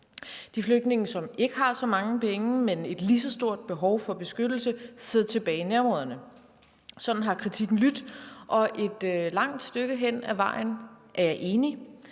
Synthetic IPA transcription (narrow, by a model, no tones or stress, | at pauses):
d̥ifløɡ̥̚d̥ne̝ŋəsɒ̽me̝ɡ̥əɦɑ̈sɒ̽mɑ̈ŋəpʰeŋəmene̝d̥lisɒ̽sd̥o̝ɐ̰d̥̚b̥e̝ɦɒʊfɒ̽b̥e̝sɡ̥ød̥l̩səseð̰ˠt͡sʰe̝b̥ɛːɪinæɐmʁɔðˠɐnə | sɒ̽d̥n̩ɦɑ̈kʰʁit͡sʰiɡ̥n̩lyd̥ʔɒ̽ʔe̝d̥lɑ̈ŋ̰d̥sd̥øɡ̥əɦen̰æʋɑ̈ɪ̰n̩ʔæɐjɑ̈ɪʔe̝ːni